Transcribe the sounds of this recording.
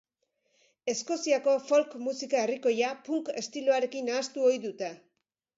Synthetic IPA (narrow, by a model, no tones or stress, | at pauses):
e̞sko̞siako̞fo̞lkmusikae̞riko̞japuŋke̞̰st̪iloaɾe̞kinaːst̪uo̞jðut̪e̞